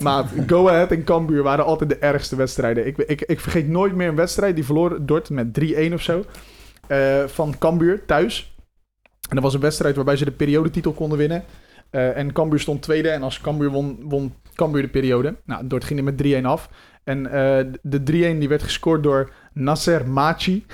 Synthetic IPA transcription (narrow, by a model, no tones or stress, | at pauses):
maːɡowaɛtɛnkɑmbyːɹʋaːɾəɑlˠtɛjt̚dəʔɛrχstəʋɛtstrɛjdənɪkɪkɪkfərχejtnoːjtmɪːɹənʋɛtstrɛjt̚divərloːrdɔɹtmɛt̚driejnɔfsow | əfɑnkɑmbyːɹtœɥs | ɛndəɹʋɑs̬ənʋɛtstrɛjtʋaɹbɛjzədəpeːɾijowdətitəlˠkɔndəʋɪnə | ɛnkɑmbyːɹstontːʋejdəɛnɑlˠskɑmbyːɹnʋɔnkɑmbyːɹdəpeːɾiowdəna̰dʊɹtχɪŋəmɛt̚driejnɑf | ɛnədədriejndiʋɛɹtχə̥skoːɹt̚doːɹ | nasɛrmaːt͡ʃi